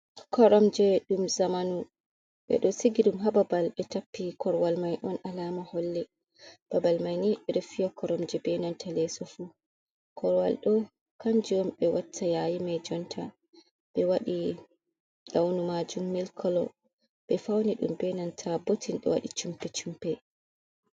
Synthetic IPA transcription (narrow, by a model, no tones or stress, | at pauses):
kɔɾɔmd͡ʒɛɗumzamanu | ɓɛ̰ɗɔsiɡiɗumɦababalɓɛtapːikɔɾwalmajʔɔnʔalamahɔlːɛ | b̥abalmajniɓɛɗɔfijɔkɔɾɔmd͡ʒɛbɛnantʰalɛsɔfu | kɔɾwa̰lɗɔ | kand͡ʒɔmɓɛwatʰːajajimɛd͡ʒɔntʰa | ɓɛwaɗi | ɗawnumad͡ʒumːilkʰɔlɔ̰ | ɓɛfawniɗṵmbɛnantʰabotinɗɔ̰wa̰ɗit͡ʃumpɛt͡ʃumpɛ